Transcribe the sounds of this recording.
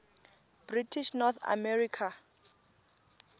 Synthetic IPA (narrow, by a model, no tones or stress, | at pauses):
b̥ritʰiʃnɔt̪ʰa̰mɛrikʰa